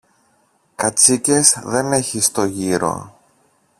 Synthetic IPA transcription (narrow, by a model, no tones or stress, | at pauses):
kɐt͡sice̞zðe̞ne̞çist̪o̞ʝiɾo̞̰